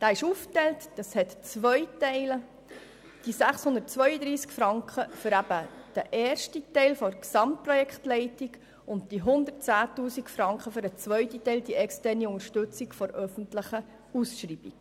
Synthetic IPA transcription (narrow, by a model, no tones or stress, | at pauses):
d̥ɑːɪʃuːftɛltd̥ɑshɛt̪t͡sʋœʏtɛɪl | d̥isæχshʊnd̪ət̚t͡sʋœʏəd̪ɾiːskfɾɑŋkχəfʏɾæbəd̪̥əʔeːrʃtitɛɪlfɔksɑmt̚prɔjɛkχtlɛɪtiɡ | ʊnt̚d̥iɦʊnd̪ərt͡sæːtuːsikfɾɑŋkχəfʏɾət͡sʋœʏtitɛɪld̥iʔɛkstɛrniʊŋəʃtɵt͡sikfɔɾœfəntləχə | usʃriːb̥ik